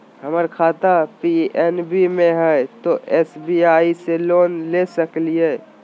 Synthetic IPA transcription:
ɦəməɾkʰat̪apienbimẽɦət̪oʔesbiaiseloːnlesəklie

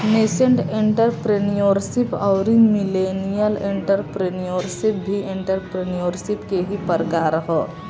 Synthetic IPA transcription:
neːsə̃ɳʈẽɳʈəɾpɾenijoɾʃɪpɔʊɾimɪleːnijəlẽɳʈəɾpɾenijoɾsɪp̚bʱiẽɳʈəɾpɾenijoɾʃɪpkeɦipəɾɡaɾəɦo

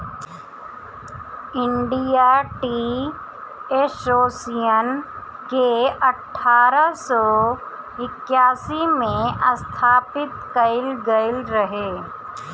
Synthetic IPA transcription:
ɪ̃ɳɖijaʈi | eːsoːsijən | keɐʈʰːaːɾəsɔː | ɪkjaːsimẽɐst̪ʰaːpɪt̪kɐɪlɡɐɪlɾɐɦeː

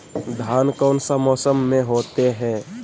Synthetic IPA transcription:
d̪ʱaːnkɔːnsamɔːsəmːẽɦoːt̪eɦɛ̃ː

